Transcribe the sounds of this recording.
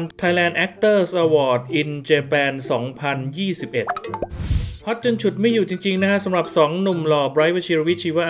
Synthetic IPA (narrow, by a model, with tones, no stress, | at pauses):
nt̪ʰa˧jlɛː˧nʔɛ˦˥k̚t̪ɤː˥˩sʔaː˧wɔː˨˩t̪̚ʔi˧nt͡ɕeː˧pɛː˧nsɔː˩˦ŋpʰa˧njiː˥˩si˨˩p̚ʔe˨˩t̪̚ | pʰɔ˦˥t̪̚t͡ɕɯ˧ŋt͡ɕʰu˨˩t̪̚ma˥˩juː˨˩t͡ɕi˧ŋt͡ɕi˧ŋna˦˥sa˩˦mɾa˨˩p̚sɔː˩˦ŋnu˨˩mlɔː˧˩bɾaː˦˥jwa˦˥˩t͡ɕʰi˧ɾwi˦˥t͡ɕʰiː˧waː˥˩ʔ